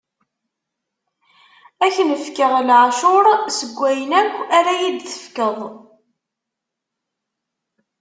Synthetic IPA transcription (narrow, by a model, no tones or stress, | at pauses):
æçənəfkəʁlʕaʃʊɾsəɡʷːæjənækʷːæɾæjid̪θə̥fkəðˤ